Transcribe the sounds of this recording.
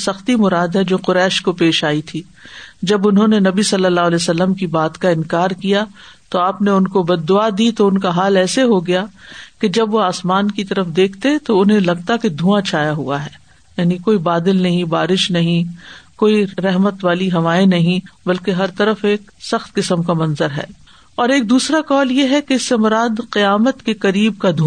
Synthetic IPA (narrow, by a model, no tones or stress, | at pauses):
sɐxt̪imʊɾaːd̪ɦɛd͡ʒoːqʊɾɛːʃkopeːʃaːit̪ʰiː | d͡ʒɐbʊnɦõnenɐbisɐlːəlːaːɦlɛːsɐlːəmkibaːt̪kaɪ̃nkaːɾkija | t̪oaːpneʊnkobɐd̪ːʊad̪it̪oʊnkaɦaːlɛːseɦoɡɐjaked͡ʒɐbʋoaːsmaːnkit̪ɐɾəfd̪eːkʰt̪et̪oʊnɦẽlɐɡ̚t̪aked̪ʱũãt͡ʃʰaːjaɦṵa̰ɦɛː | jaːnikoːibaːd̪ɪlnɐɦĩbaːɾɪʃnɐɦĩkoːiɾɛɦmət̪ʋaːliɦɐʋaːenɐɦĩbɐlkeɦɐɾt̪ɐɾəfeːk | sɐxt̪kɪsəmkamɐnzəɾɦɛ̰ː | ɔːɾeːk̚d̪uːsɾaqɔːljeɦɛkeɪsːemʊɾaːd̪qɪjaːmət̪keqɐɾiːbkad̪ʱu